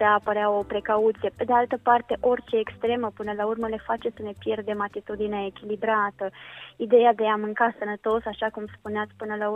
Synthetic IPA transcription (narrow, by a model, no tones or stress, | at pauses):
eapəɾeao̞pɾe̞kaut̪sije̞pe̞d̪ealt̪əpart̪e̞ʔo̞rʲt͡ʃe̞ːkst̪ɾe̞məpɨnəlaurməle̞fat͡ʃe̞səne̞pje̞rd̪e̞mat̪it̪ud̪ineaekʲilibɾat̪əid̪e̞jad̪e̞amɨŋkasənət̪o̞saʃakumspuneat̪sʲpɨnəlau